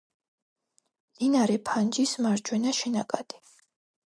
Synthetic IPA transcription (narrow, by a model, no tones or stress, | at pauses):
linaɾɛpʰand͡ʒismaɾd͡ʒwɛnaʃɛna̰kʼad̪̥i̥